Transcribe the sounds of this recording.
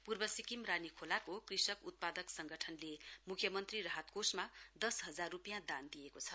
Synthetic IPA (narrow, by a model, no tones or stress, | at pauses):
purbʌsikimranikʰolakokrisʌkut̪̚pad̪ʌksʌŋɡʌʈʰʌnlemukʰjʌmʌnt̪riɾʌɦat̪̚kosmad̪ʌsɦʌd͡zarːupijãd̪and̪ijekot͡sʰʌ